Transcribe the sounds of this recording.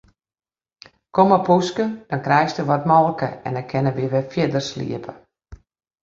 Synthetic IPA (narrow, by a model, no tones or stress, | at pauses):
kʰoməpuskəd̥ɔnkrɛjstəʋɔtmɔlˠkəɛndɛkʰɪnəʋiəʋɪfjɪdərslḭəpʰə